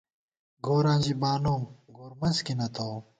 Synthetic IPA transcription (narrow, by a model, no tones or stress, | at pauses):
ɡoːɾãːd͡ʑibaːnoːmɡoːɾmɐnzkinɐt̪ow